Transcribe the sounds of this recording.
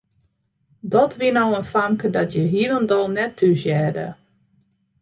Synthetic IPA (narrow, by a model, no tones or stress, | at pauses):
dɔtʰʋiənowənfamkədɔtʰjəɦiələndɔlˠnɛtʰːysjɛːdə̰